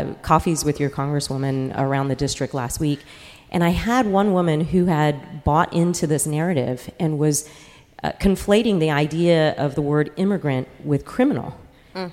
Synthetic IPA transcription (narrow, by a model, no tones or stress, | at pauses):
kʰɔfizwɨðjə˞kʰɑ̃ŋɡɹɨswʊ̃mɨ̃nə̰˞ãʊ̃nðɨdɪstɹ̥ɨk̚tˡlæ̰st̚wik | ʔɨ̃ɾñaɪəd̚wʌ̃nwʊmɨ̃nɦʉɨd̚bɔɾʔɪ̃ntʰʉðɪsnɛɹɨɾɪ̰vʔɨ̃nwʌz̥ | kʰɨ̃ɱfleɪɾɪ̃ŋðiaɪdiɨʌvðəwɜ˞ɾɪ̃mɨɡɹɨ̃nʔwɪð̥kʰɹ̥ɪ̃mənl̩ˠ